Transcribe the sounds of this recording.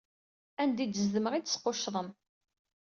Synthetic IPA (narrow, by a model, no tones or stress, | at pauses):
ænd̪id̪əzðəməʁid̪sqːʊʃðˤəm